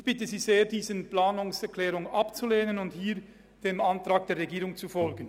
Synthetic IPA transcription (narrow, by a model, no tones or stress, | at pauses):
ɪb̥ɪtəziːzeːɐdiːzənplaːnʊŋsɛɐkʰlɛːʁʊŋɑpt͡suleːnənʊnthiːʁ | d̥eːmantʁaːk̚d̥eːɐʁeɡiːʁʊŋt͡sufɔlɡən̩